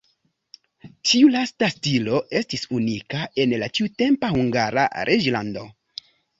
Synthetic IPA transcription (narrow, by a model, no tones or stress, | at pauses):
tiulastastilo̞ʔe̞stisunikae̞nlat͡ʃiute̞mpahuŋɡaɾa̰ɾʔed͡ʒlando̞̰